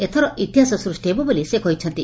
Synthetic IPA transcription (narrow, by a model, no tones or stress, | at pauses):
et̪ʰɔɾɔit̪iɦasɔsɾusʈebɔbelisekɔɦjt͡ʃʰɔnt̪i